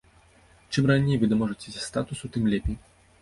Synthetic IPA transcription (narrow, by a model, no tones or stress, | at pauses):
t͡ʂɨmranʲejvɨd̪ɐmɔʐɐt͡sʲe̥sʲast̪at̪usut̪ɨmlʲɛpʲi